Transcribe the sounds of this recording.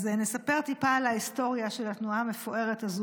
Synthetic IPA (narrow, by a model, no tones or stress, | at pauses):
zenesape̞ʁt̪ipaːlaisto̞ʁjaʃelat̪nuaːme̞foʔe̞ʁe̞tazu